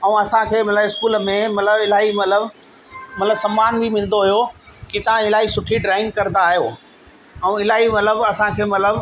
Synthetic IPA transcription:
ɛ̃ũɐsãkʰeːmɐt̪ləbɪskuːlmẽmɐt̪ləbɪlaːɦimɐt̪ləb | mɐt̪ləbsɐ̃mːaːnbimɪ̃l̃nd̪oɦʊjokit̪ɐʋãɪlaːɦisʊʈʰiɖɾaːɪ̃ŋɡ̚kɐɾnd̪aːɦijoː | ɛ̃ũɪlaːɦimɐt̪ləbɐsãkʰeːmɐt̪ləb

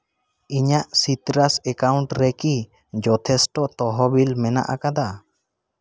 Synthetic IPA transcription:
iɲaʔsit̪ɾasɛkawɳʈɾɛki | d͡ʒɔt̪ʰɛsʈɔt̪ɔɦɔbilmɛna̰ʔakad̪a

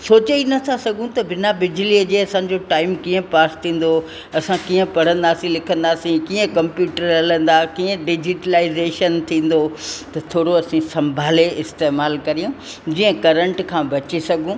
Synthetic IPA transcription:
soːt͡ɕinɐt̪ʰasɐɡʱũt̪ɐbɪnabɪd͡ʑliəd͡ʑeːɐsã̆ːd͡ʑoʈaːɪmkiːə̃paːst̪ʰĩːn̆d̪o | ɐsãkiːə̃pɐɽ̤ə̃nd̪aːsĩlɪkʰə̃nd̪aːsĩkiːə̃kɐ̃mpjuːʈəɾɐlə̃n̆d̪akiːə̃ɖɪd͡ʑɪʈəlaːɪzeːʃənt̪ʰĩːn̆d̪ot̪ɐt̪ʰoːɽoɐsĩsɐ̃mbʱaːleɪst̪eːmaːlkɐɾijũ | d͡ʑiːə̃kɐɾə̃ɳʈkʰãːbɐt͡ɕisɐɡʱũ

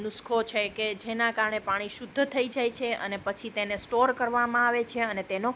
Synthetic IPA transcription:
nʊskʰot͡ʃʰeked͡ʒenãkaɾɳepaɽ̃iʃʊd̪ʱːət̪ʰəid͡ʒajt͡ʃʰeə̰nepət͡ʃʰit̪enesʈoɾkəɾʋamãaʋet͡ʃʰeənet̪eno

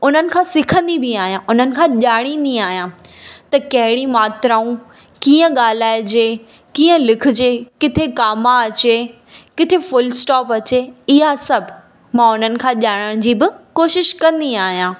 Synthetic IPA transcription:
ʊn̤ənɪ̆kʰãːsɪkʰə̃nd̪ibiaːɦijãʔʊn̤ənɪ̆kʰãːʄaːɽ̃ĩːn̆d̪iaːɦijãt̪ɐkɐɦɪɽimaːt̪ɾaːũ | kiːə̃ɠaːl̤aːɪd͡ʑeː | kiːə̃lɪkʰʊ̆d͡ʑeːkɪt̪ʰekaːmaɐt͡ɕeː | kɪt̪ʰefʊlsʈɔːpɐt͡ɕeɪɦasɐbʱ | mãːʊn̤ənɪ̆kʰãːʄaːɽ̃əɽ̃d͡ʑiːbɪkoːʃɪʃkɐ̃nd̪iaːɦijãː

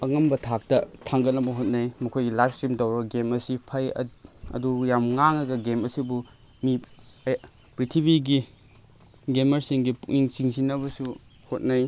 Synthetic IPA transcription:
ɐŋɐmbɐtʰak̚tɐtʰaŋɡɐt̚nɐbɐɦot̚najmɐkʰojɡilajpstɾimdɐwɾɐɡemɐsipʰɐjɐ̰ɐ̰dujamŋaŋɐɡɐɡemɐsibu | mi | pɾitʰibʱiɡi | ɡemɐɾsiŋɡipuŋiŋsiŋzinɐβɐsu | hot̚naj

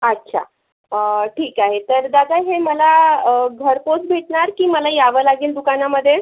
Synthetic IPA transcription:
ətːɕʰa̰ | əʈʰiːkaɦet̪əɾd̪ad̪aɦeməlaɡʱəɾposbʱeʈɳaɾkiːməlajaʋəlaɡiːld̪ukanaməd̪ʱːje

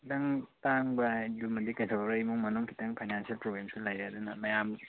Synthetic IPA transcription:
tɐŋtaŋbɐjdumɐdikajtʰawɾajmuŋmɐnɔŋkʰitaŋpʰajnansialpɾoɡɾemsulajɾaadunɐmɐjam

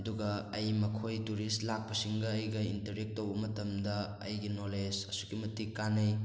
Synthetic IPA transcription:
ɐduɡɐːjmɐkʰojtuɾistlak̚pɐsiŋɡɐːjɡɐintɐɾek̚tːowɐmɐtɐmdɐ̰ː | jɡinoled͡ʒɐsukimɐtikːanɐj

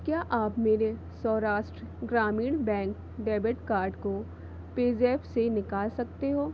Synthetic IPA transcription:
kjaːʔaːpmeːɾe | sɔːɾaːʃʈɾɡɾaːmiːɽ̃bɛ̃ːŋk | ɖɛːbɪʈkaːɾɖko | peːzɛːpsenɪkaːlsɐkt̪eɦoː

